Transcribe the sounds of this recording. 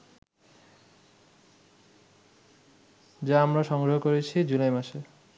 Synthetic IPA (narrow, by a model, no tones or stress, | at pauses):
d͡ʑaamɾaʃɔŋɡɾoɦokoɾet͡ɕʰid͡ʑulajmaʃe